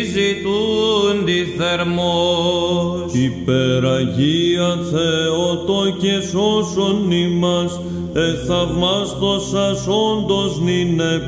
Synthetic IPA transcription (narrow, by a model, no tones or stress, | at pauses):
zit̪und̪iθeɾmo | ipeɾɐʝiɐθeot̪ocesosonimɐs | eθɐvmɐst̪o̞sɐso̞nd̪o̞znine̞